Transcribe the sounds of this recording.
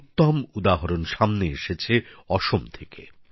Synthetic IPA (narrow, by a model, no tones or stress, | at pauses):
t̪ːɔmud̪aɦɔɾonʃamneeʃet͡ɕʰeɔʃomt̪ʰeke